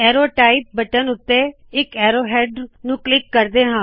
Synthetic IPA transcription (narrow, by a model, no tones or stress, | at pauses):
ɛːɾoːʈaːɪp̚bəʈənʊt̪ːeː | ɪkɛːɾoːɦɛːɖnũːklɪkːəɾd̪eːɦãː